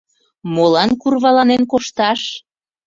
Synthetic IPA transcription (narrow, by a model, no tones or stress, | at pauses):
molɑnkurβɑlɑnenkoʃt̪ɑʃ